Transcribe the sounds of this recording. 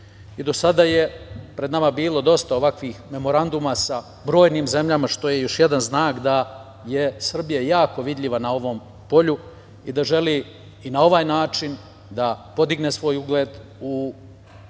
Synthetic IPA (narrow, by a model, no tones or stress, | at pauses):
id̪o̞sad̪aje̞pɾe̞d̪namabiːlˠo̞d̪o̞st̪ao̞ʋakʋiːxme̞mo̞ɾand̪umasa | bɾo̞ːjniːmze̞mʎamaʃt̪o̞je̞jo̞ʃjed̪anznaːkd̪a | jesr̩bijajaːko̞ʋid̪ʎʲiʋanao̞ʋo̞m | po̞ʎu | id̪aʒe̞li | inao̞ʋaːjnaːt͡ʃin | d̪apo̞d̪iɡne̞sʋo̞ːjuɡle̞ːd̪u